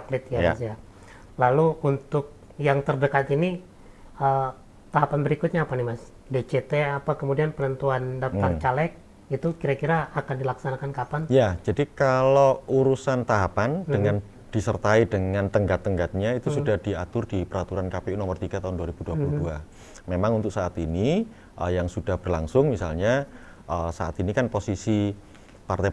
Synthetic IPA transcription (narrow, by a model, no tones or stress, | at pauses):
aplɪt̪̚jaasja | laluunt̪ʊk̚ | jaŋt̪ərdəkat̪ini | ə | t̪aɦapanbəɾikʊt̪̚ɲaːpanɪhmas | ded͡ʒet̪eapakəmudianpənənt̪uandat̪aŋt͡ʃalɛk̚ | it̪ukiɾakiɾaːkandilaksanakankapanjad͡ʒadikalouɾusant̪aɦapandəŋan | d̥isərt̪aidəŋant̪əŋɡat̪ːəŋɡat̪̚ɲait̪usudahd̥iat̪ʊrdipəɾat̪uɾankapeunomərt̪iɡat̪aɦʊnduaɾib̥uduapuludua | memaŋunt̪ʊk̚saʔːt̪ini | ʔəjaŋsudahb̥ərlaŋsʊŋmisa̰lɲa | ʔəsaʔa̰t̪inikanposisi | part̪e